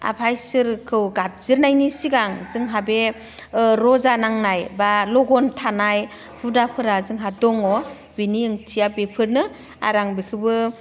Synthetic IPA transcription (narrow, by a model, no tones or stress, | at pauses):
a̰pʰajsɯɾkʰɯwɡap̚zɯɾnajnisiɡaŋzɯŋɦabe | ɾɔzanaŋnajbalɔɡɔntʰanaj | hʰudapʰɯɾazɯŋɦadɔŋɔ | biniɯŋtʰijabepʰɯɾnɯ | a̰ɾaŋbekʰɯbɯ